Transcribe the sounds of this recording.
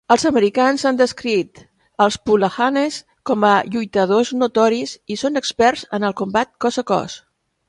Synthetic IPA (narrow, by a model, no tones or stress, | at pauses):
əlˠzəməɾikanzand̪əskɾit̪ | əlˠspuləxanes | kɔməʎujt̪əðoznut̪ɔɾizisonəkspɛrzənəlˠkumbat̪̚kɔsəkɔ̰s